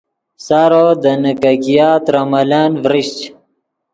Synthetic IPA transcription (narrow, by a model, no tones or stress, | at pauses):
saːɾod̪ənəkakijaːt̪ɾamɐlaːnvɾiɕt͡ɕ